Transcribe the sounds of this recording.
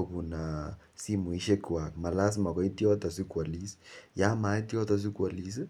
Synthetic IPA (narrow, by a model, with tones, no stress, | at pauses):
oku˨na˨ | si˦mu˨i˦ʃe˦ka˨k̚ma˨la˦s̬ma˨kɔ˦i˦tjɔ˦ta˨si˦kwa˨li˦sja˦ma˨˦i˦tjɔ˦ta˨s̬i˦kwa˨li˨s̬i˦